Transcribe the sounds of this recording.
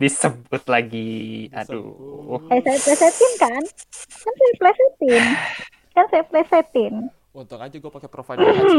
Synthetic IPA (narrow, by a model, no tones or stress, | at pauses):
disəbʊt̪̚laɡiadṵasajaplɛset̪ɪnkankansajaplɛset̪ɪn | kansajaplɛset̪ɪn | m̩